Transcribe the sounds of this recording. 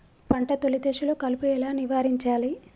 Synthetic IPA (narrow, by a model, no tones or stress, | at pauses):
pɐɳʈɐt̪olid̪eːʃuloːkɐlupuɛlaːniʋaːɾiɲt͡ʃaːli